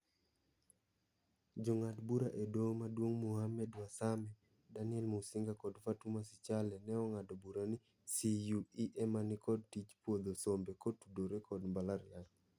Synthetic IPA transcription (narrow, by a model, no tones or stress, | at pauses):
d͡ʒɔŋadbuɾaʔedomadwoŋmuhamɛdwasamɛ | danɪɛlmusɪŋɡakɔdfatumasɪt͡ʃalɛnɛɔŋadobuɾani | sijuiʔɛmanɪkɔd̚tit͡ʃpwod̪osombekotudoɾekɔdmbalaɾjaɲ